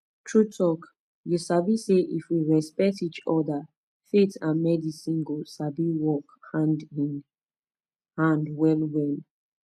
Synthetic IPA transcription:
tʰɹutʰɔk | jusabiseʔifwiɹɛspɛk̚tit͡ʃɔda | fetãnmɛdisĩnɡosabiwɔkhãndĩn | hãndwɛlwɛn

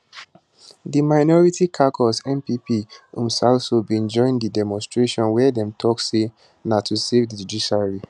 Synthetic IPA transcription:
dimaɪnɔɹitikʰakʰɔsɛ̃mpipiṵ̃msalsobĩnd͡ʒɔ̃ɪ̃ndidɛmɔ̃nstɹeʃɔ̃nwɛdɛ̃mtʰɔkse | natʰusevdid͡ʒudiʃaɹi

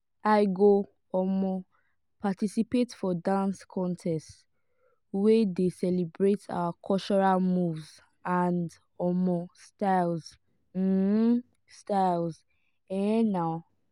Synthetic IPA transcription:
aɪɡo | ɔmɔ | patisipetfɔdãnskʰɔ̃ntʰɛst | wɛdesɛlibɹetʰa̰wakʰɔlt͡ʃɔɹalmuvz | ãnd | ɔmɔ̃staɪlz̩ | staɪlz | ɛ̃naʊ

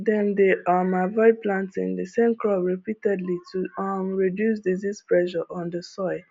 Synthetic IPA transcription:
dɛ̃mdeamavɔɪd̚plãntɪ̰̃ŋdəsẽmkɹɔbɹipitɛdlitʰumɹidjus̬dizispɹɛʒɔʔɔ̃ndəsɔɪ

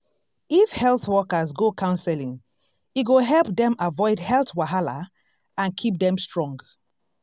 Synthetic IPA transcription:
ifhɛlˠθwɔkəzɡokʰãʊ̃nsɛlĩŋ | iɡoɦɛlˠpdɛ̃mavɔɪdhɛlθwaɦala | ãnkʰip̚dɛ̃mstɹɔ̃ŋɡ

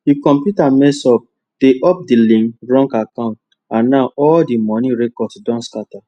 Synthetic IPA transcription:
dikɔ̃mpjutamɛsɔp̚ | d̥eʔɔp̚dilĩŋɹɔ̃ŋkakãʊ̃nt̚ | ãnnaʊɔldimɔnĩɹekɔsdɔ̃nskata

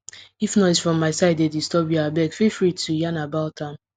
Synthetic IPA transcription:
ifnɔsfɹɔ̃mːaɪsaɪdedistɔpiabɛkfifɹitʰujanabaltãn

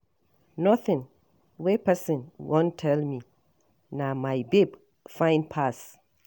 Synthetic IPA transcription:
nɔ̃θɪ̃n | wepʰɛsɪ̃nwɔ̃ntʰɛlmĩ | nãmãjbeb | fãɪ̃npʰas

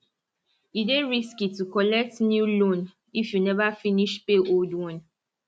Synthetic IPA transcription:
ideɹiskitukɔlɛk̚tnjulõn | ifjunɛvafiniʃpeʔoldwɔ̃n

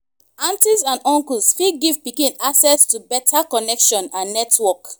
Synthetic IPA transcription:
ãntizãnɔ̃ŋkulsfiɡiv̥pikĩnasɛstubɛtʰakɔnɛkʃɔ̃nãnːɛtwɔk

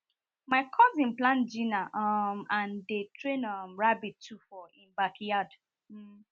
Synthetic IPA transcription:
maɪkʰɔzĩnplãnd͡ʒĩnaʔɔmãndetʰɹẽnɔmɹabitʰːufɔĩnbakjad̩

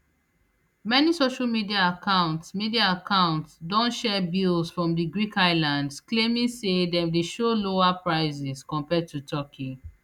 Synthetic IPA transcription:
mɛnisoʃalmidiaːkʰãʊ̃ntsmidiaakʰãʊ̃ntsdɔ̃ntʃɛbilzfɹɔ̃mdiɡɹikaɪlãndsklẽmĩŋsedɛ̃mdeʃoloapɹaɪzɛskɔ̃mpɛd̚tutʰɔkʰi

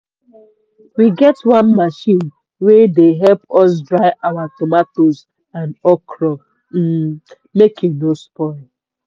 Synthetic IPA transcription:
wiɡɛtwãnmaʃĩn | wedeɦɛlpɔs̬dɹaɪʔawatɔmatoz | ãnɔkɾɔ | m̩ | mekunospɔɪl

